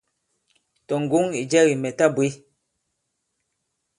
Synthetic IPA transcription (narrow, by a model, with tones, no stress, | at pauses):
tɔ˨ŋ˨ɡu˨˦ŋi˨d͡ʒɛ˦ɣi˨mɛ˨ta˦bwe˨˦